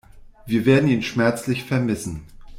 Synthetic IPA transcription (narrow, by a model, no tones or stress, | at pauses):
viːɐveːɐdn̩iːnʃmɛɐt͡slɪçfɛɐmɪsn̩